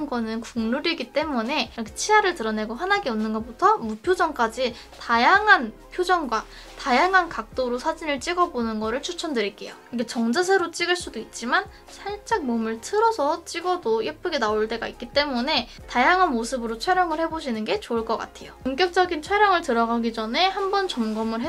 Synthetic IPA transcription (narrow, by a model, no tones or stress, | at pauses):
nɡʌnɯnkuŋnuɾiɡit͈e̞mune̞ɾkʰet͡ɕʰiaɾɯɭtɯɾʌne̞ɡoɦanaɡeʌnːɯnɡʌp͈otʰʌmupʰjod͡ʑʌŋk͈ad͡ʑi | tajaŋɦanpʰjod͡ʑʌŋɡwa | tajaŋɦankak̚t͈oɾosʰad͡ʑinɯɭt͡ɕ͈iɡʌbonɯnɡʌɾɯɭt͡ɕʰut͡ɕʰʌndɯɾik͈e̞joɯkʰet͡ɕʌŋd͡ʑas̬ʰeɾot͡ɕ͈iɡɯɭs͈udoit̚t͡ɕ͈iman | sʰaɭt͡ɕ͈ak̚momɯɭtʰɯɾʌsʰʌt͡ɕ͈iɡʌdojep͈ʰɯɡenaoɭt͈e̞ɡaik͈it͈e̞mune̞ | tajaŋɦanmosʰɯbɯɾot͡ɕʰwaɾjʌŋɯɭhe̞boɕʰinɯnɡe̞t͡ɕoːɭk͈ʌk͈a̰tʰe̞joumk͈jʌk̚t͡ɕ͈ʌɡint͡ɕʰaɾjʌŋɯɭtɯɾʌɡaɡid͡ʑʌne̞hambʌnt͡ɕʌmɡʌmɯɭɦe